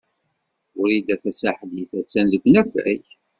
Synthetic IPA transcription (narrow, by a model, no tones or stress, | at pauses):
ʊɾid̪æθæsaħliθæt͡sːænzəɡʷnæfæ̰ç